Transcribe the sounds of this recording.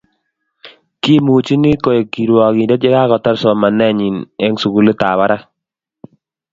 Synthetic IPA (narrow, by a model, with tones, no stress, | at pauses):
ki˦mu˨t͡ʃi˦ni˦ko˨je˨ki˨ɾwɔ˨ki˨dɛ˦d͡ʒɛ˦ka˦kɔ˨tɔ˦ɾsɔ˨ma˨nɛ˦˨ɲi˨nɛ˦ŋsu˨ɡu˨le˦ta˨βa˦ɾa˦